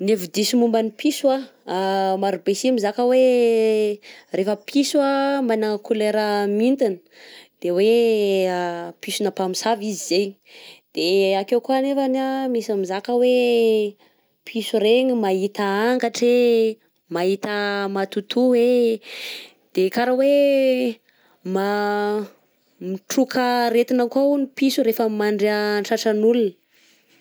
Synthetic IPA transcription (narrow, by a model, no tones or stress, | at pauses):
nevid̪isumumbanipʰisua | maɾubesimizakəwe | refəpʰisuamanakuleɾəmint̪inə̥ | d̪̥ewe | pisunəpamisavizizej | d̪̥eakewkuanefanamisamizakəwe | pʰisuɾeɲimait̪aaŋkaʈ͡ʂe | maɦit̪əmat̪ut̪uwe | d̪̥ekaɾawe | ma | miʈ͡ʂukʰəɾet̪inakaunipisuɾefəmaɳɖ͡ʐeaɳʈ͡ʂaʈ͡ʂənulunə